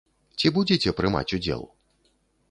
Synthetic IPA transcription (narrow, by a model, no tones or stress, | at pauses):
t͡sʲibud͡zʲet͡sʲɛpɾɨma̰t͡sʲud͡zʲɛ̰lˠ